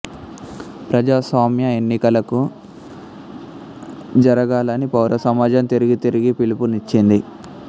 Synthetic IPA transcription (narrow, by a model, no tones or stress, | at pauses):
pɾɐd͡ʒaːsʋaːmjɐe̞nːikɐlɐku | d͡ʒɐɾɐɡaːlɐnipɐwɾɐsɐmaːd͡ʒɐmt̪iɾiɡit̪iɾiɡipilipunit͡ʃːind̪i